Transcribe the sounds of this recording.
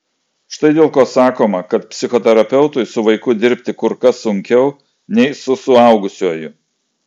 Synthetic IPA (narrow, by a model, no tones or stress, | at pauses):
ʃt̪ɐɪd̪ʲeːlˠkoːsɑːkoːmɐkɐt̪pʲsʲɪxɔt̪ʲɛɾɐpʲɛʊt̪ʊjsʊʋɐɪkʊd̪ʲɪɾʲpʲt̪ʲɪkʊɾkɐsːʊŋʲkʲɛʊ | nʲɛɪsʊsʊɑˑʊɡʊsʲuɔjʊ